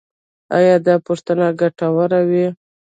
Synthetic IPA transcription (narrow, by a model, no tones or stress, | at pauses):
a̰jɑd̪ɑpuʂt̪ənaɡaʈawəɾawi